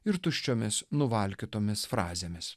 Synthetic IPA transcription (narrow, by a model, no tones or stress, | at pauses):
ɪɾt̪ʊʃʲt͡ʃʲoːmʲɪsnʊʋɐlʲkʲɪt̪oːmʲɪsfɾɑːzʲeːmʲɪs